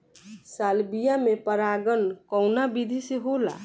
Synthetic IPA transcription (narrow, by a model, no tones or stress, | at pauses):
salbijamepəɾaɡənkɔʊnabid̪ʱiseɦola̰